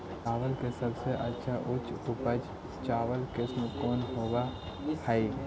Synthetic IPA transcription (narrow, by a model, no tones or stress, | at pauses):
aːʋəlkesəbseʔɐtːʃʰaʔʊt͡ʃʊpəd͡ʒ | t͡ʃaːʋəlkɪsmẽkɔːnɦoːɡa | hai